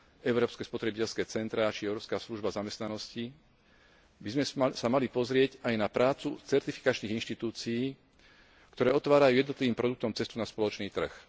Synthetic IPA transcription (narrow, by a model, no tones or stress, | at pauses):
ɛʊɾɔːpskɛːspɔt̪ɾɛbicɛlskɛːt͡sɛnt̪ɾaat͡ʃiɛʊɾɔːpskaːsluʒbazamɛst̪nanɔsci | bizmɛsamalipɔzɾɪɛɟajnapɾaːt͡sut͡sɛɾt̪ifi̥kat͡ʃniːɣinʃt̪it̪uːt͡siiː | kt̪ɔɾɛːɔt̪ʋaːɾajuːjɛd̪nɔt̪liʋiːmpɾɔd̪ukt̪ɔmt͡sɛst̪unaspɔlɔt͡ʃniːt̪r̩x